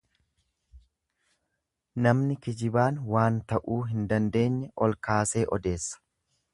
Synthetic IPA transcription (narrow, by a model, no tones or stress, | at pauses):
nɐmnɪkɪd͡ʒɪbaːnwaːnt̪ɐʔuːɦɪnd̪ɐnd̪e̞ːɲːɛʔɔlkaːse̞ːʔɔd̪e̞ːsːɐ̥